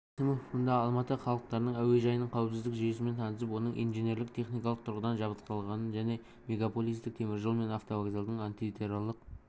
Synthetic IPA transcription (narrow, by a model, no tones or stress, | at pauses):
sɪmʊʊnd̪ɑɑlˠmɑt̪əχɑlˠəq̚t̪ɑɾnəɴæwe̞ʒɑjənəɴqʰɑwəpsɪzd̪ɪkʒije̞sɪme̞nt̪ʰɑnəsəpwo̞nəɴʔḭnʒene̞ɾlɪk̚t̪ʰe̞χnijkɑlˠəq̚t̪ʰʊɾʁəd̪ɑnʒɑβət̪q̪ɑlˠʁɑnənʒæne̞ | me̞ɡapo̞lˠijst̪ɪk̚t̪ʰe̞mɪɾʒolˠme̞naft̪ovaɡzelˠd̪əɴant̪ivit̪ʰe̞ɾalˠːəq̚